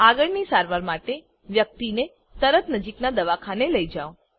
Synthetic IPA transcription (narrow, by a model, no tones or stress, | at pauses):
aɡəɭnisaɾʋaɾmaʈe | ʋjək̚t̪ine | t̪əɾət̪nəd͡ʒiknad̪əʋakʰaneləid͡ʒaʋo